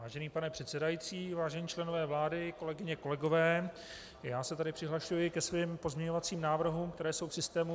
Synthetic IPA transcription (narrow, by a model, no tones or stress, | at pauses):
aːʒɛniːpanɛpr̥ɛt̪sɛdajit͡siːvaːʒɛɲiːt͡ʃlɛno̞vɛːvlaːdɪko̞lɛɡɪɲɛko̞lɛɡo̞vɛː | jaːsɛt̪adɪpr̥ɪɦlaʃujɪkɛsviːmpo̞zmɲɛɲo̞vat͡siːmnaːvr̩ɦuːmkt̪ɛɾɛːsowfsɪst̪ɛːmu